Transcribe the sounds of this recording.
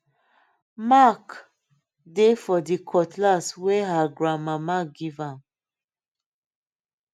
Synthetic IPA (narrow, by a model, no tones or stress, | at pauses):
mak | defɔdikʰɔtʰlaswɛɦaɡɹãmamaɡivãm